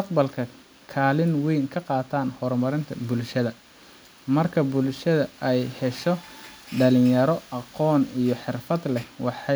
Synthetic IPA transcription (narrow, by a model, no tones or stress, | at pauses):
st̪ɐqbɐlkʰɐ | kʰaːlɪnwɛjŋkʰɐqɑːt̪ʰaːnhɔrmɐɾɪnt̪ʰɐbʊlʃɐðɐ | mɐrkʰɐbʊlʃɐðɐɛjhɛʃɔɖɐlɪjjɐɾɔɑqɔːnijɞħɪrfɐd̪lɛwɑħɑ